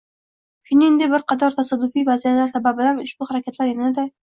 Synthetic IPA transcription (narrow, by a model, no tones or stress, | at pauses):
kʲʰʊnɪnd̪ɪbɪɾqɑt̪ʰɒɾt̪ʰasad̪ːʊfijvazijalaɾsababɪlanʊʃbʊhaɾakʲʰat̪ʰlaɾjɪnɪnɪd̪a